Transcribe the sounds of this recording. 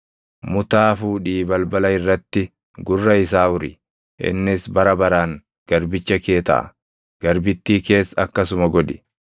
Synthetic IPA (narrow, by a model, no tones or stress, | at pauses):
mʊt̪aːfuːᶑiːbɐlbɐlɐɪrːɐt̪ːɪ | ɡʊrːɐɪs̬aːʊɾɪ̰ | ʔɪ̰nːɪsbɐɾɐbɐɾaːŋ | ɡ̥ɐɾbɪt͡ʃːɐke̞ːt̪ɐ̰ʔɐ̰ | ɡ̥ɐɾbɪt̪ːiːke̞ːsːɐkːɐsʊmɐɡɔᶑɪ̥